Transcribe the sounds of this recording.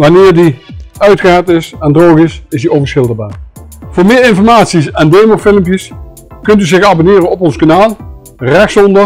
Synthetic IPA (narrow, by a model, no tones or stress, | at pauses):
ʋɑnɪːɹdiœɥtχəaːɹtɪsɛndrowχɪsɪsdiʔovəɹsχxɪlˠdəɹbaːɹvʊːɹmɪːɹɪnfɔɹmaːtsisɛndejmofɪləmpjəs | kɵntyzɪxɑbonɪːɾənɔpɔnskanaːlˠ | rɛxsɔndə